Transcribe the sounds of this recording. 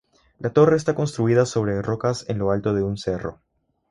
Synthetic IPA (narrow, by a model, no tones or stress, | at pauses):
lat̪o̞re̞ːs̬t̪ako̞nst̪ɾuiðaso̞βɾe̞ro̞kase̞̰nlo̞alt̪o̞ð̞e̞unse̞ro̞̰